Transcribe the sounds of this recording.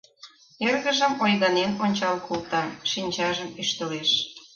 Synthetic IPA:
erɣə̆ʒəmojɣɑnenonʲt͡ɕɑlkʰult̪ɑʃinʲt͡ɕɑʒəmyʃt̪əleʃ

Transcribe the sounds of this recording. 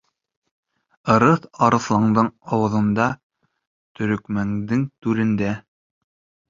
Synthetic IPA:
ɤ̆ɾɤθɑɾɤ̆θlˠɑɴd̪ɤɴɑwɤ̆ðɤ̆nd̪ɑ | t̪ɵ̆ɾɵ̆kmæŋd̪ɘŋt̪ʉɾɘ̆nd̪æ

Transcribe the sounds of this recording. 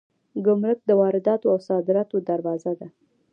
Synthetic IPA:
ɡʊmɾʊk̚d̪əwɑɾɪd̪ɑt̪oawsɑd̪ɪɾɑt̪od̪aɾwɑzad̪a

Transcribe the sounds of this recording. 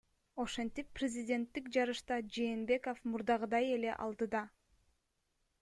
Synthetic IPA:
o̞ʃent̪ipːrʲɪzʲidʲe̞nt̪ːikd͡ʒɑɾɯʃt̪ɑd͡ʒe̞ːnbe̞ko̞fmuɾd̪ɑʁɯd̪ɑje̞le̞ʔɑ̰lˠd̪ɯd̪ɑ

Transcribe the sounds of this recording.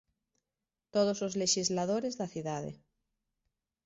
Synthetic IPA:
t̪oð̞osozleʃizlaðoɾezðaθuðað̞ḛ

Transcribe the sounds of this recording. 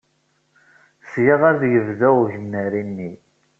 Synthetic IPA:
sjiʁæɾðjəvðæʝənːəɾinːi

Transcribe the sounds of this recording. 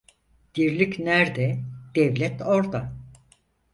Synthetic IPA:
d̪̥iɾlʲicnæɾd̪ɛd̪̥ɛvlʲɛt̪ʰo̞ɾd̪a

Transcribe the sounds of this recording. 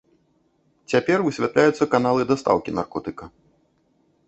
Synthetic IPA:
t͡sʲapʲɛrvɨsʲvʲat̪lʲajut̪sːɐkanalˠɨd̪ɐst̪a̰wkʲina̰rkɔt̪ɨkɐ

